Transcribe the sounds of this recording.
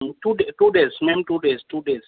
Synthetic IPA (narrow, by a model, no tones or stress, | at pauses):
mtudetudesmɛ̃mtudestudes